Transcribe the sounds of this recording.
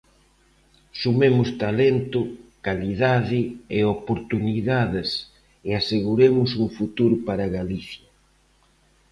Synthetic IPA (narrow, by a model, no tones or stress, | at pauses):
sumemʊst̪alent̪ʊkaliðaðɪeopoɾt̪uniðaðɪs | ɪaseɣuɾemʊs̬uŋfut̪uɾʊpaɾaɣaliθjɐ